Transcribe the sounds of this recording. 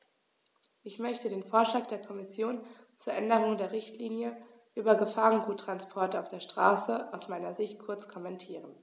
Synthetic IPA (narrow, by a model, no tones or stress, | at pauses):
ʔɪçmœçtədeːnfoːɐʃlaːk̚d̥eːɐkʰɔmɪsjoːn | t͡suːɐʔɛndəʁʊŋdeːɐʁɪçtliːnjə | ʔyːbɐɡəfaːʁənɡuːtːʁ̥anspʰɔɐtaʊfd̥eːɐʃtʁ̥aːsəʔaʊsmaɪnɐzɪçt̚kʰʊɐt͡skʰɔmɛntʰiːʁən